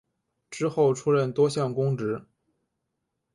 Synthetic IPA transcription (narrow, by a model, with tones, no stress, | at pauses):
ʈ͡ʂɻ̩˥xo˥˩ʊʈ͡ʂʰu˥ɻə˥˩nt̪wɔ˥ɕjɑ˥˩ŋkʊ˥ŋʈ͡ʂɻ̩˧˥